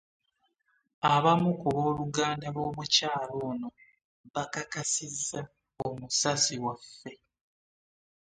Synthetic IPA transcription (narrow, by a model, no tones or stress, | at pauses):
aβamukuβo̞ːluɡaːndaβo̞ːmucaːlo̞ːno̞ | βakakasizːa | omusasiwafːe̞